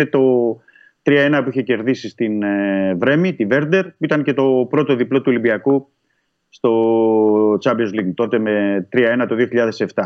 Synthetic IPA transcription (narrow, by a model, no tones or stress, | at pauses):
et̪o̞ | t̪ɾiɐe̞nɐpuiçe̞ce̞ɾðisist̪inevɾe̞mit̪ive̞ɾd̪e̞ɾpuit̪ɐnce̞t̪o̞pɾo̞t̪o̞ðiplot̪uo̞limbiɐku | st̪o̞ | t͡sɐmbiozliŋt̪o̞t̪e̞me̞t̪ɾiɐe̞nɐt̪o̞ðio̞çiʎɐðe̞se̞ft̪ɐ